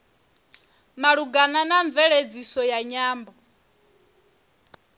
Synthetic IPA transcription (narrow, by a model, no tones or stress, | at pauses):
maɺuɡananaɱvɛɺed͡zisɔjaɲaːmbɔ